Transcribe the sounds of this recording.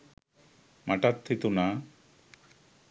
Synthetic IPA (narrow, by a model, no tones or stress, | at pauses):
maʈat̪ʰːit̪una